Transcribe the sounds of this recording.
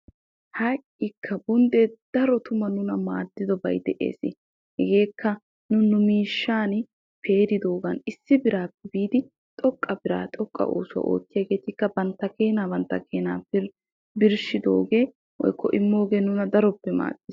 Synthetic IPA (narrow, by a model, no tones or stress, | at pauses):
hakʼːɪkʰːɐbʊnd̪ɛd̪̥ɐɾɔt̪ʊmɐnʊnɐmaːd̪ːɪd̪ɔbɐjd̪ɛʔḛːsɪ̰ | hɛɡe̞ːkːɐ | nʊnʊmiːʃːaːn | pʰe̞ːɾɪd̪o̞ːɡɐnɪsːɪbɪɾaːpːɛbiːd̪ɪ | t̪ʼɔkʼːɐbɪɾa̰ːt̪ʼɔkʼːɐ̰ʔo̰ːsʊwɐ̰ʔo̰ːtːɪjaːɡe̞ːt̪ɪkːɐbɐnt̪ːɐke̞ːnaːbɐnt̪ːɐkʰe̞ːnaːbɪɾ | bɪɾʃɪd̪o̞̰ːɡe̞ː | wɔ̰jkʰːɔ̰ʔɪmːo̞ːɡe̞ːnʊnɐd̪ɐɾɔpːɛma̰ːdɪs